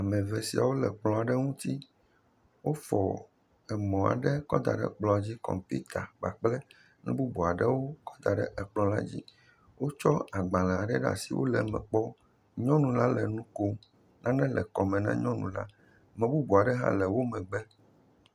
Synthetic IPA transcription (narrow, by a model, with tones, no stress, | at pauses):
a˨mɛ̃˨vɛ˨si˨a̰˨wo˦lɛ˨k͡plɔ̃˨a˨ɖɛ˦ŋũ˦t̪i˦ | wo˦fɔ˨ | ɛ˨mɔ̃˨a̰˨ɖɛ˦kɔ˦d̪a̰˨ɖɛ̰˦k͡plɔ˨d͡ʑi˦kɔ̰̃˨mpḭ˦t̪ʰa˨ɡ͡ba˨k͡plɛ˦ | nɛ̰̃˦bu˦bu˨a˨ɖɛ˦wo˦kɔ̥˦d̪a˨ɖɛ̰˦ʔɛ˨k͡plɔ̃˦la̰˦d͡ʑḭ˦ | wo˦t͡ʃɔ˦a˨ɡ͡ba˨lã˨a˨ɖɛ˦ɖa̰˨sḭ˨wo̰˦lɛ˨mɛ̰̃˨k͡pɔ˦ | ɲɔ̃˦nũ˨la˦lɛ˨nũ˦ko˦ | nʔã˦nɛ̃˦lɛ˨kɔ˨mɛ̃˨nã̰˦ɲɔ̃˦nṵ̃˨la̰˦ | mɛ̃˨bu˦bu˨a˨ɖɛ˦ɦã̰˦lɛ˨wo˦mɛ̃˨ɡ͡bɛ˦